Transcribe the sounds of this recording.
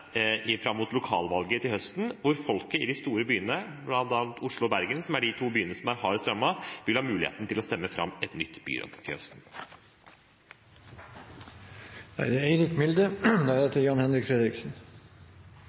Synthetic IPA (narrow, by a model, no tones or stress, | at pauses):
ɪfɾɑmːuːt̪lʊkʰɑ̰ːlʋɑlɡət̪ʰɪlhœst̪n̩ʋʊɾfɔlkəɪd̪ɪst̪uːɾəbyːənəblɑnt̪ɑːlt̪ʰʊʂɭʊɔbæɾɡənsɔmæɖɪt̪ʰuːbyːənəsɔmæɾhɑːɾɪst̪ɾɑmːɑʋɪlhɑːmʉːlɪḛːt̪n̩t̪ʰɪlɔst̪ɛmːəfɾɑ̰mːɛt̪nʏt̪ːb̥y̰ːɾɔ̰d̪t̪ʰɪ̰lœ̰st̪n̩ | æ̰ɪd̪ɛæɾɪkmɪld̪əd̪æd̪ɛt̪ʰɪjɑnhɛnɾɪkfɾeːd̪ɾɪksn